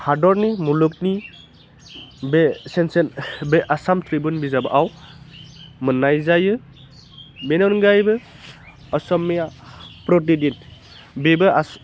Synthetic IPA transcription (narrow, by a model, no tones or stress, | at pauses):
hadɔɾnimuluk̚ni | besensenbeʔasamtʰɾibunbizabɯʔaw | mɯnajzajɯ | benɔnɡajbɯ | ɔsɔmːiapɾɔt̬idin | bebɯa